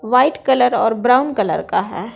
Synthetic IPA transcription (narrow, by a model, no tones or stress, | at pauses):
ʋaːɪʈkɐləɾɔːɾbɾaːʊnkɐlə̰ɾkaɦɛː